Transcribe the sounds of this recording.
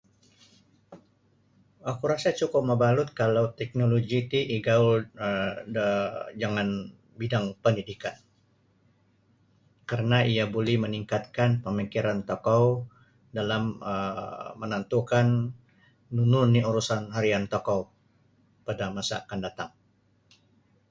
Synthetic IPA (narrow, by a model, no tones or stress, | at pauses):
akuɾasat͡ʃukʊp̚məbalʊt̪̚kalawt̪ɛk̚noloɡit̪iʔiɡau | dəd͡ʒaŋan | bidaŋpəndidikan | kaɾənaʔijabolɛhməniŋkat̪̚kanpəmikiɾant̪okaw | dalaməːənant̪ukanː | ununiuɾusanɦaɾiant̪okaw | padamasa̰ːkandat̪aŋ